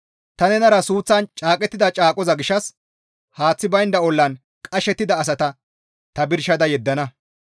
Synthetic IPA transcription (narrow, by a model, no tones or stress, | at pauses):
t̪ɐnɛnɐɾɐsuːt͡sːɐnt͡ʃʼaːkʼɛt̪ːɪd̪ɐt͡ʃʼaːkʼɔzɐɡɪʃːɐs | haːt͡sːɪbɐjnd̪ɐɔlːɐn | kʼɐʃɛt̪ːɪd̪ɐːs̬ɐt̪ɐ | t̪ɐbɪɾʃɐd̪ɐjɛd̪ːɐnɐ